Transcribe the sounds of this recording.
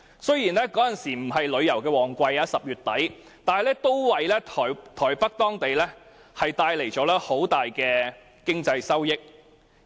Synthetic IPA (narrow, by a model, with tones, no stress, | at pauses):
sɵ˥ɥjiː˨˩nlɛː˥kɔː˨˥jɐ˨nsiː˨˩m̩˨˩ɦɐ˨jlɵ˨˧ɥjɐ˨˩wkɛː˧wɔː˨˩ŋkʷɐ˧jaː˨˧sɐ˨p̚jyː˨t̚t̪ɐ˨˥j | t̪aː˨nhɐ˨jlɛː˥t̪o˥wwɐ˨jlɛː˥tʰɔː˨˩jt̪ʰɔː˨˩jpɐ˥k̚t̪ɔː˥ŋt̪e˨jlɛː˥ | hɐ˨jt̪aː˧jle˨˩jt͡ʃɔː˨˥lɛː˥ho˨˥wt̪aː˨jkɛː˧ | kɪ˥ŋt͡sɐ˧jsɐ˥wjɪ˥k̚